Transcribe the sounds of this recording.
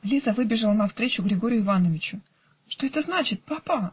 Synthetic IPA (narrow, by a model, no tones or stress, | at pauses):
lʲizəvɨbʲɪʐɨlˠənɐfst̪ɾʲet͡ɕʊɡɾʲɪɡo̞ɾʲɪjʊɪvanəvʲɪt͡ɕʊ | ʂt̪o̞ɛt̪əznat͡ɕɪt̪̚papa